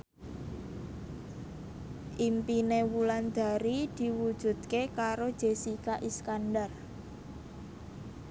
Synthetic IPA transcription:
ʔimpinewuland̪̥a̤ɾid̪̥i̤wud̥ʒ̥ṳd̪̥̚kekaɾod̥ʒ̥e̤sikaʔiskandar

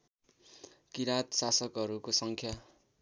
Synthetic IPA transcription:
kiɾat̪sasʌkɦʌɾukosʌŋkʰja

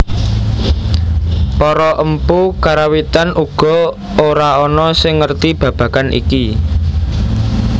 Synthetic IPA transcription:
pɔɾɔʔəmpukaɾawit̪anʔuɡ̥ɔ̤ | oɾaɔnɔsɪŋːərt̪ib̥ä̤b̥ä̤kanʔḭki

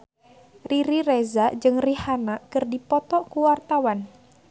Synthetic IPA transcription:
riɾirezad͡ʒɨŋrihanakɨrdipɔt̪ɔkuwart̪awan

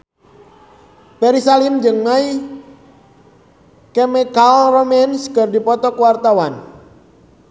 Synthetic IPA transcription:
pɛɾisalimd͡ʒɨŋːaj | kɛmɛkalrɔmɛnskərdipɔt̪ɔkuwart̪awan

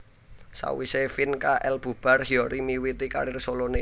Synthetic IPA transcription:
sa̰wisefinkaʔɛlb̥ṳb̥arhiɔɾimiwit̪ika̰ɾɪrsolone

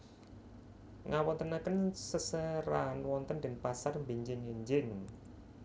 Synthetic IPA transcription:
ŋawɔnt̪ənakənsəsəɾanwɔnt̪ənd̪ənpasarmbeɲd͡ʒɪŋeɲd͡ʒɪŋ

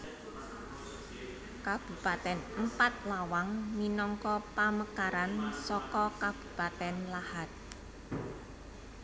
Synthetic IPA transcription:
kab̥ṳpat̪ɛnəmpat̪̚lawaŋminɔŋkɔpaməkaɾansɔkɔkab̥ṳpat̪ɛnlahat̪̚

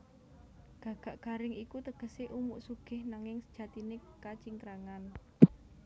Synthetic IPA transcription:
ɡ̥ä̤ɡ̥a̤ʔɡ̥a̤ɾɪŋikut̪əɡ̥ə̤seʔumuʔsuɡ̥ɪ̤hnaŋɪŋsə̥d̥ʒ̥ä̤t̪inekat͡ʃiŋkɾaŋan

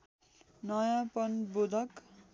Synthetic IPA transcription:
nʌjãpʌnbud̪ʱʌk

